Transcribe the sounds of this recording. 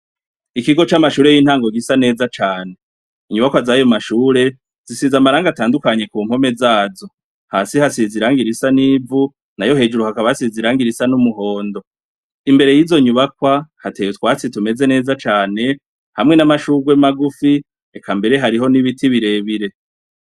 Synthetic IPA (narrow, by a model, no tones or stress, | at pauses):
ikiɡo̞t͡ʃamaʃuːɾejiːn̥haːŋɡoɡisane̞ːzat͡ʃaːne̞ | iɲuβakwazajo̞maʃuːɾe̞ | z̥isizamaɾaːŋɡataːndukaɲe̞kuːm̥ho̞me̞zaːzo̞ | haːsihasiziɾaːŋɡiɾisaniːvu | najo̞ɦe̞ːd͡ʒuɾuhakaβahasiziɾaːŋɡiɾisanumuɦo̞ːndo̞ | imbe̞ɾe̞jiːzo̞ɲuβakwahatetwaːt͡situme̞ze̞ne̞ːzat͡ʃaːne̞ | hamŋe̞namaʃuːɡwemaɡufi | ekʰambe̞ɾe̞ɦaɾiɦo̞niβitiβiɾe̞ːβiɾe̞